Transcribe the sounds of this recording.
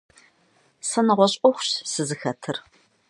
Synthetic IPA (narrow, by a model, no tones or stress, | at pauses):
sɐnɨʁʷɔɕʼɔxʷɕsɨzɨxɐtʰɨr